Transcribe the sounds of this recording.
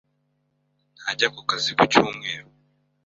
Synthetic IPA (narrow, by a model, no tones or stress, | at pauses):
n̥haɟakukazikucuːmŋe̞ːɾo